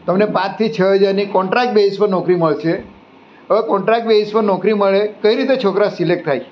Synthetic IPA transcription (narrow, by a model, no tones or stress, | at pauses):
t̪əmnepãt͡ʃt̪ʰit͡ʃʰəɦed͡ʒaɾnikɔ̃ɳʈɾak̚ʈ̚beɦispəɾnɔkɾiməɭt͡ʃʰe | əʋekɔ̃ɳʈɾak̚ʈ̚beispəɾnɔkɾiməɭekəiɾit̪et͡ʃʰokɾasilek̚ʈ̚t̪ʰaj